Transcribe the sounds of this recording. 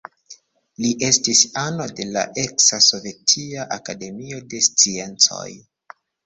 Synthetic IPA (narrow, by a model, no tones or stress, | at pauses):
liʔe̞stisano̞de̞la̰ʔe̞ksaso̞ve̞tʰiaʔakade̞mio̞de̞st͡sie̞nt͡so̞̰j